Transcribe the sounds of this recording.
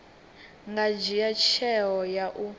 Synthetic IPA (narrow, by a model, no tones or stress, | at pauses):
ŋɡad͡ʒijat͡ʃʰɛɦɔjaʔu